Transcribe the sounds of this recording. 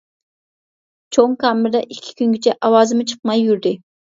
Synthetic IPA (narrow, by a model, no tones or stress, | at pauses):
t͡ʃʰoŋkɑːmɪɾd̪ɑʔikʲʰːi̥kʲynɡʲɪt͡ʃʰɛʔɑwɑːzɨmɨt͡ʃʰə̥qmɑjːyɾd̪ɪ